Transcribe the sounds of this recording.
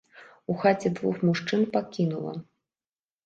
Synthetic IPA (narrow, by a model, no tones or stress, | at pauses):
uxat͡sʲɛd̪vuxmuʂt͡ʂɨnpakʲinulˠɐ̰